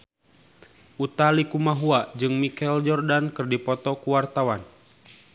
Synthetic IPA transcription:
ʔut̪alikumaɦuad͡ʒɨŋmikɛld͡ʒɔrdankɨrdipɔt̪ɔkuwart̪awan

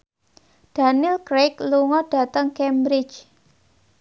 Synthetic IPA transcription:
d̥a̤nilkɾekluŋɔɖ̥a̤t̪əŋkɛmbɾɪt͡ʃ

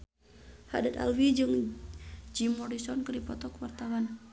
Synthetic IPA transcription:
ha̰dat̪a̰lwid͡ʒɨŋ | d͡ʒimːɔɾisɔnkəɾipɔt̪ɔkwart̪awan

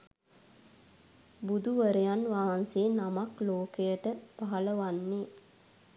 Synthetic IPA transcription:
bud̪uʋəɾejanʋaɦanseːnamakloːkejəʈəpaɦaləʋanːe

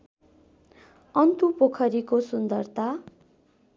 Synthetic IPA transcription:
ʌnt̪upokʰʌɾikosund̪ʌrt̪a

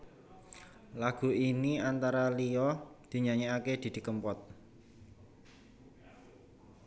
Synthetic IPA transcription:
laɡ̥ṳiniant̪aɾaliɔd̪̥i̤ɲaɲeaked̪̥i̤d̪̥i̤kəmpɔt̪̚

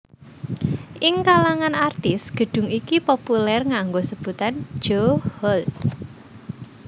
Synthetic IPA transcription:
ʔɪŋkalaŋanart̪ɪsɡ̥ə̤ɖ̥ʊ̤ŋikipopulɛrŋaŋɡosəb̥ut̪an̥d͡ʒ̥ohɔl

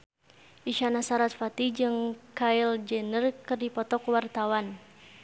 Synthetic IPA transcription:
ʔiʃanasaɾat̪fat̪id͡ʒɨŋkaild͡ʒɛnərkɨrdipɔt̪ɔkwart̪awan

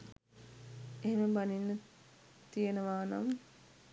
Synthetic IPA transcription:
eɦeməbaninːə | t̪ijenəʋaːna̰m

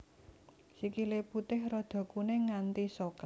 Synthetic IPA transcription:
sikileput̪ɪhrod̪̥ɔ̤kuneŋant̪isokə

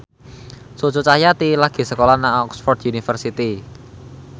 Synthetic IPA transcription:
sot͡ʃot͡ʃajat̪ilaɡ̥e̤səkolanaɔksfɔrd̪unifərsit̪i

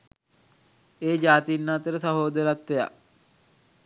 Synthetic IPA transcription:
eːd͡ʒaːt̪inːaːt̪əɾəsaɦoːd̪əɾat̪ːeja̰

